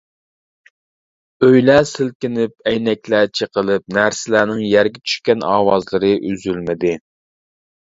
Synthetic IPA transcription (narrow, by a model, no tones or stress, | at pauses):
øjlæsɪlkʲɪnɪp̚ɛjnɛkʲlæt͡ʃʰiqəlˠɨp̚næɾsɪlæːnɪŋjæɾɡʲɛt͡ʃʰy̥ʃkʲɛnɑ̰ːwɑzlˠɨɾɨʔyzylmɪd̪ɪ